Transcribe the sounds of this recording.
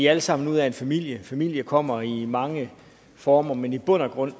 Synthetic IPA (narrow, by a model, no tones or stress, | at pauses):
iæləsɑ̈m̰n̩uð̰ˠæe̝nfæmil̰jəfæmil̰jəkʰɒ̽m̰ɐimɑ̈ŋə | fɒːmɐmenib̥ɔ̽n̰ɐɡ̥ʁɔ̽n̰